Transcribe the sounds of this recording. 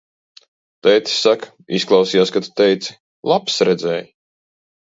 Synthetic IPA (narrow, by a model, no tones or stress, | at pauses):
t̪ɛjt̪i̥sak | isklˠɑwsijaːskat̪u̥t̪ɛjt̪si̥ | lˠapsɾɛd̪zɛ̰ːj